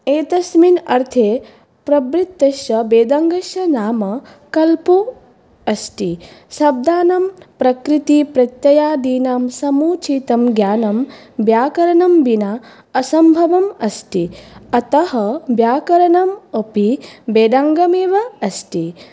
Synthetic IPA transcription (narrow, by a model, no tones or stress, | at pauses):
eːt̪ɐsminɐɾt̪ʰeː | pɾɐbɾit̪ːɐʃjɐbeːd̪aːŋɡɐʃjɐnaːmɐ | kɐlpu | ɐsʈisɐb̚d̪aːnɐmpɾɐkɾit̪ipɾɐt̪jɐjaːd̪iːnaːmsɐmuːt͡ʃiːt̪ɐmɡjaːnɐm | bjaːkɐɾɐnɐmbina | ɐsɐmbʱɐʋɐmɐsʈiɐt̪ɐɦɐbjaːkɐɾɐnɐmɐpibeːd̪aːŋɡɐmeːʋɐɐsʈi